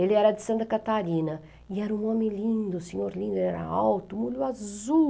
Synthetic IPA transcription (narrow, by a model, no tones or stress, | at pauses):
elɪɛɾɐd̪ɪsɐ̃nt̪ɐkat̪aɾinɐ | iɛɾɐũŋɔmɪ̃lĩnd̪ʊsiɲoɾlĩnd̪eɾɛɾɐ̰awt̪umuluazu